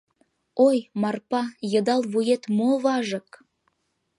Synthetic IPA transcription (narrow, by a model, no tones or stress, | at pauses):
ojmɑrpɑjə̆d̪ɑlβujet̪moβɑʒɤ̆k